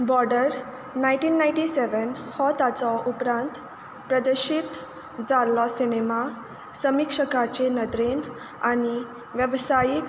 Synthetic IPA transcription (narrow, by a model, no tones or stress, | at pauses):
bɔɾɖəɾ | naj̃ʈiːnːaj̃ɳʈiseʋənhɔt̪at͡sɔʔupɾãnt̪ | pɾəd̪əɕit̪ | d͡zalːɔsinema | səmikʂəkat͡ɕenəd̪ɾen | aɽ̃i | ʋjəʋsajik